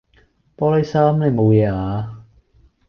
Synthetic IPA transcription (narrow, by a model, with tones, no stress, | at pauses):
pɔː˥le˥jsaː˥mle˨˧mo˨˧wjɛː˧˩ʔaː˨˧